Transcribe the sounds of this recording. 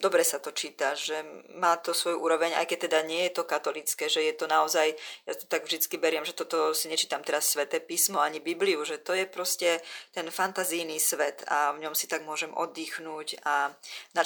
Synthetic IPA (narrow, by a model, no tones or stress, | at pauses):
d̪ɔbɾɛsat̪ɔt͡ʃiːt̪aʒɛmaːt̪ɔsʋɔjuʔuːɾɔʋɛɲa̰jkɛc̚t̪ɛd̪aɲɪɛjɛt̪ɔkat̪ɔlit͡skɛːʒɛjɛt̪ɔnaɔzajjat̪ɔ̥t̪aɡvʒd̪it͡skibɛɾɪɛmʒɛt̪ɔt̪ɔsiɲɛt͡ʃiːt̪amt̪ɛɾasːʋɛt̪ɛːpiːsmɔaɲibibliuʒɛt̪ɔjɛpɾɔscɛt̪ɛnfant̪azijniːsʋɛt̪avɲɔmsit̪aɡmʊɔʒɛmʔɔ̰d̪ːiːxnuːcana